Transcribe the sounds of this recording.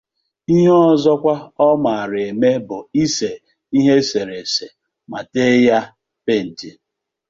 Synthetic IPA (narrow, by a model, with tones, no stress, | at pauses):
i˦ɦe˦ɔ˦zɔ˦kʷa˦ɔ˦ma˨ɾe˨me˦bʊ˨i˦se˨ | i˦ɦe˦se˨ɾe˨se˨ | ma˨te˦ja˦ | pe˦˨n̩˨d͡ʒe˨